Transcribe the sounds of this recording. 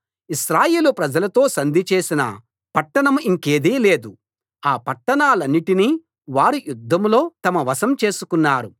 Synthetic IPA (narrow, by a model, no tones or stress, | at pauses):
iʃɾaːje̞ːlupɾɐd͡ʒɐlɐt̪o̞ːsɐnd̪ʱit͡ʃe̞ːsinɐ̰ | pɐʈːɐɳɐmiŋke̞ːd̪iːle̞ːd̪u | aːpɐʈːɐɳaːlɐnːiʈini | ʋaːɾujud̪ʱːɐmlo̞ːt̪ɐmɐʋɐsɐmt͡ʃe̞ːsukunːaːɾu